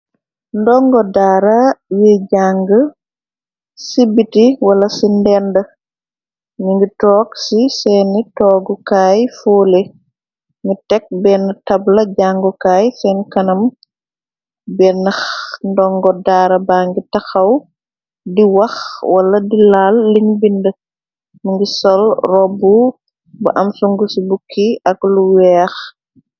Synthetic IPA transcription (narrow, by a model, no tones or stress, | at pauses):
ndɔŋɡɔdaːɾɐjɛɟaːŋɡə | sibitiwɐlɐsindɛːndə | ɲiŋɡitɔːɡsisɛnitɔːɡɔkaːjfoːle | ŋɡitɛk̚bɛːntɐblɐɟaŋɡɔkaːjsɛnkɐnɐm | bɛnɐxndɔŋɡɔdaːɾɐbaːŋɡitɐxɐw | diwɐxwɐlɐdilaːlːiŋbində | miŋɡisɔlrɔbu | bɐʔɐmsuŋɡusibukʰːiɐɡluwɛːx